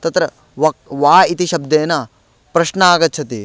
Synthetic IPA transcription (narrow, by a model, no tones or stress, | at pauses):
t̪ɐt̪ɾɐ | ʋɐʋaːit̪iʃɐb̚d̪eːnɐ | pɾɐʃnɐaːɡɐt̪ːt͡ʃʰɐt̪i